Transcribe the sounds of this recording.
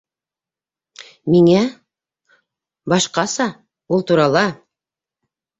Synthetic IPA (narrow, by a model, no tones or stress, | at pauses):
miŋæ | bɑʃqɑsɑ | wolˠt̪uɾɑlˠɑ